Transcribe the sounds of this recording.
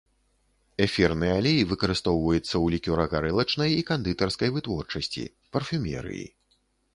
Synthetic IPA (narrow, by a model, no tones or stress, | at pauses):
ɛfʲirnɨjɛalʲejvɨkɐɾɨst̪ɔwvɐjut̪sːɐwlʲikʲuɾɐɣaɾɛlˠɐt͡ʂnɐjikand̪ɨt̪ɐrskɐjvɨt̪vɔrt͡ʂɐsʲt͡sʲḭ | pɐrfʲumʲɛ̰ɾɨ̰jḭ